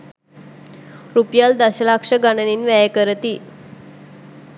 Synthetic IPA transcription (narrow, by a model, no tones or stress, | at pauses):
ɾupjald̪aɕəlakʂəɡanəninʋɛjəkəɾət̪i